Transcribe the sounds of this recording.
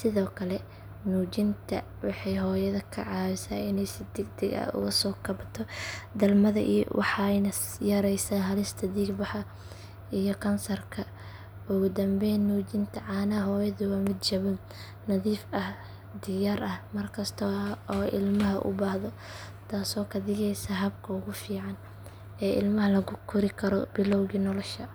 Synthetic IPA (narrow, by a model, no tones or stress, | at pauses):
sɪðɔːkʰɐlɛ | nuːd͡ʒɪnt̪ʰɐ | wɑħɑjɦɔːjɐðɐkʰɐ̰ʕɑːβɪsaːɪnɛjsɪd̪ɛɡ̚d̪ɛɡɐ̰ʊ̰ɣɐsɔːkʰɐbɐt̪ʰɔd̪ɐlmɐðɐ̰ʔḭːwʔɑ̰ħɑjnɐ | jɐɾɛjsaːɦɐlɪst̪ʰɐd̪iːɡbɑħɑ | ijɔkʰɐnsɐrkʰɐ | ʊɣʊd̪ɐmbɛjnːuːd͡ʒɪnt̪ʰɐʕɑːnɐɦɔːjɐðʊwaːmɪd̪t͡ʃɐβʊn | nɐðiːfɐh | d̪ɪjaːɾɐhmɐrkʰɐst̪ʰɔɔːʔɪ̰lmɐɦɐʔʊ̰baːhðɔ | t̪ʰaːsɔːkʰɐðɪɣɛjsɐɦɐb̚kʰɐʊɣʊfiːʕɑn | ɛːʔɪ̰lmɐɦɐlɐɣʊkʰʊɾɪkʰɐɾɔ̰bɪlɔwɣiːnɔlɔʃɐ